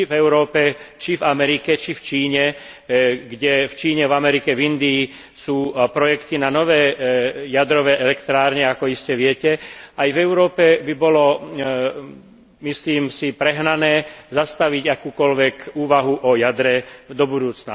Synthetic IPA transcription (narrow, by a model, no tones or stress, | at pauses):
vɛʊɾɔːpɛt͡ʃivamɛɾikɛt͡ʃift͡ʃiːɲɛ | ɡɟɛft͡ʃiːɲɛvamɛɾikɛvind̪iː | suːpɾɔjɛkt̪inanɔʋɛːjad̪ɾɔʋɛːʔɛlɛkt̪ɾaːɾɲɛakɔiscɛʋɪɛcɛajvɛʊɾɔːpɛbibɔlɔ | misliːmsipɾɛɦnanɛːzast̪aʋiɟakuːkɔlʋɛkuːʋaɦuʔɔjad̪ɾɛd̪ɔbud̪uːt͡sna